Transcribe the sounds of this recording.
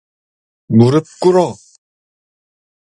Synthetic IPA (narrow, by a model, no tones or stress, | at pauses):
muɾɯp̚k͈uɾɔ